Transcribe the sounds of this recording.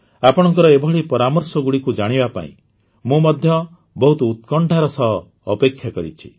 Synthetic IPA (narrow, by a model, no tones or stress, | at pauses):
apɔɽ̃ɔŋkɔɾɔebʱɔɭipɔɾamɔɾsɔɡuɽikud͡ʒaɽ̃ibapa̰ḭ̃ | mũmɔd̪ʱjɔ | bɔɦut̪ɔut̪̚kɔɳʈaɾɔsɔɦɔː | pekʰjakɔɾḭt͡ʃʰi̥